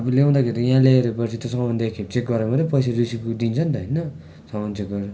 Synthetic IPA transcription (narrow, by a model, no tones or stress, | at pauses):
ʌbʌlew̃d̪akʰeɾijaãleeɾepʌt͡sʰit̪ʌsʌmʌnd̪ekʰet͡sek̚ɡʌɾemʌt̪epʌjserisikud̪int͡sʰʌnt̪ʌɦʌjnʌ | sʌmant͡sek̚ɡʌɾo